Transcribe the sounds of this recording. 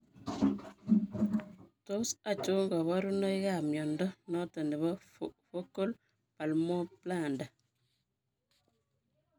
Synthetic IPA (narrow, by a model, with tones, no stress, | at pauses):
to˦sa˨t͡ʃu˦ŋɡɔ˨βa˦ɾu˦nɔ˦i˦ɣa˨mjɔ˨ndɔ˦nɔ˦tɔ˨ndi˨βa | fo˦ko˦l | pa˨lmɔ˦pla˨nda˨